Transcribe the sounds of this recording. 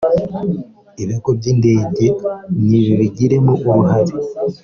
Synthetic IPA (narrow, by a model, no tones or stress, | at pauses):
iβekoβjeːnde̞ːɟe̞niβiβiɟiɾe̞muʔoɾuɦaɾi